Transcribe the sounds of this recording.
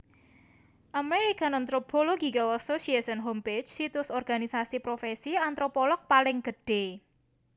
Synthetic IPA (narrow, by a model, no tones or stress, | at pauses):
ʔameɾikanant̪ɾopoloɡikalasosiesɔnɦompe̥d͡ʒsit̪ʊsɔrɡ̥anisasipɾofesiant̪ɾopɔlɔk̚palɪŋɡ̥əɖ̥e̤